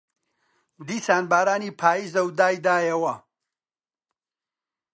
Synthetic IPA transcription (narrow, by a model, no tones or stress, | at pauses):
d̪iːsaːnbaːɾaːniːpʰaːjiːzɐwd̪aːjd̪aːjɐwɐ